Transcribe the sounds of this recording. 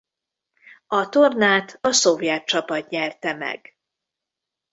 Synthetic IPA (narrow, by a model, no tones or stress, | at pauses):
ɒt̪ornaːt̪ʰɒso̞vjɛt̪̚t͡ʃɒpɒt̪ɲɛrt̪ɛmɛ̰ɡ̥